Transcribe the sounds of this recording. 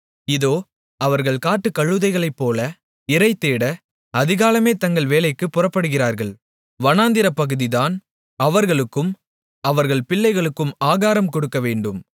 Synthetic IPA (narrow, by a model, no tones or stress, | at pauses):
ɪðoː | ɐʋɐɾɣɐɭkaːʈːɯkɐɻːɯðɐɪɣɐɭɐɪpːoːlɐ | ɪɾɐɪt̪ːeːɽɐ | ɐðɪɣaːlɐmeːt̪ɐŋɡɐɭʋeːlɐɪkːɯpːʊrɐpːɐɽɯɣɪraːɾɣɐɭ | ʋɐnaːnd̪ɪɾɐpːɐɣɯðɪðaːn | ɐʋɐɾɣɐɭɯkːɯm | ɐʋɐɾɣɐɭpɪɭːɐɪɣɐɭɯkːɯmaːɣaːɾɐmkɔɽɯkːɐʋeːɳɖɯm